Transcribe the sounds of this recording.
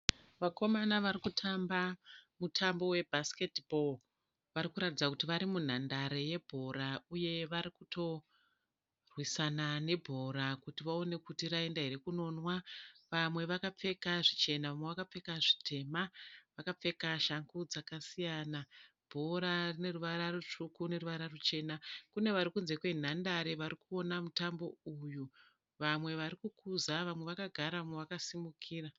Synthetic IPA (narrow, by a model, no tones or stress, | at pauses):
ʋako̞manaʋaɾikutʰambamutʰambo̞we̞bʱaske̞tbʱo̞l | ʋaɾikuɾatid͡zakutiʋaɾimun̤andaɾe̞je̞bʱo̞ɾauje̞ʋaɾikuto̞ | rwisanane̞bʱo̞ɾakutiʋao̞ne̞kutiɾae̞ndaɦeɾekuno̞nwaʋamwe̞ʋakap͡fe̞kaʐit͡ʃe̞naʋamweʋakap͡fe̞kaʐitʰe̞maʋakap͡fe̞kaʃaŋɡud͡zakasijana | b̥ʱo̞ɾarine̞ruʋaɾarut͡ʂukune̞ruʋaɾarut͡ʃe̞nakune̞ʋaɾikunze̞kwe̞n̤andaɾeʋaɾikuo̞namutambo̞uju | ʋamwe̞ʋaɾikukʰuzaʋamwe̞ʋakaɡʱaɾaʋamweʋakasimukʰiːra